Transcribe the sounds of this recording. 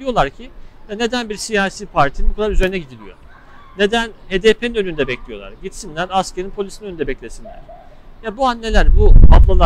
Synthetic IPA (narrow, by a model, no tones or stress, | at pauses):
d̪ijo̞lˠaɾcʰid̪ane̞d̪ænbiɾsijaːsiːpʰaɾt̪ʰinukʰad̪ˠaɾyzeɾinɛɟid̪ilʲijo̞̰ | ne̞d̪ænheːd̪eːpʰe̞ninø̞nynd̪ɛbɛclʲijo̞lˠa̰ɾɟit̪sinlʲæɾasceɾinpʰo̞lʲisiniønynd̪ɛbɛclʲe̞sinlʲæ̰ɾ̥ | jabuanːe̞lʲæɾbuaplˠalˠa